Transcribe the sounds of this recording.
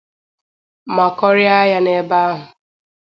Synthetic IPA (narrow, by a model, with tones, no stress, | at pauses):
ma˨kɔ˦ɾja˦ja˦ne˨˦ba˦a˦ɦʊ˨